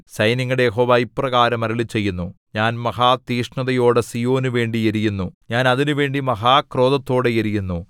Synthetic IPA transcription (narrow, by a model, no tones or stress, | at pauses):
sɐjnɐŋːɐɽejeɦo̞ːʋaːiprɐɣaːɾɐmɐɾɐɭit͡ɕːe̞jːunːu | ɲaːnmɐhaːt̪iːʂɳɐðɐjo̞ːɽesijo̞ːnuʋe̞ːɳɖieɾijunːuɲaːnɐðinuʋe̞ːɳɖimɐɦaːkro̞ːðɐt̪ːo̞ːɽejeɾijunːu